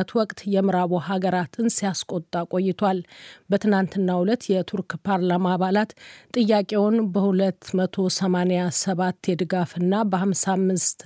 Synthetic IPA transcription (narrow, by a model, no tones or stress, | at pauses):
ət̪wɔkʼt̪jɛmɨɾaβoɦaɡəɾat̪ʰɨnsijaskʼo̞t̪ʼːakʼo̞jːɪt̪ʰwalbət̪ʰɨnant̪ɨnːahulət̪jɛt̪ʰuɾkʼpʰaɾlamaːβalat̪t̪ʼːɨjːakʼewɔnbəhulət̪ːmət̪ʰo̞səmanejasəβat̪ːjɛd̪ɨɡafɨnːabəhamsamːɨst̪